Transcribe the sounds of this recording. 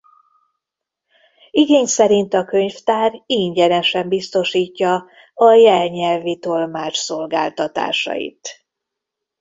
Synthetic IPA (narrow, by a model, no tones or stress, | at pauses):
iɡeːɲsɛɾint̪ɒkøɲft̪aːriɲɟɛnɛʃɛmbist̪o̞ʃiːcːɒ | ɒjɛlɲɛlvit̪o̞lmaːt͡ʃso̞lɡa̰ːlt̪ɒt̪a̰ːʃɒ̰jḭt̪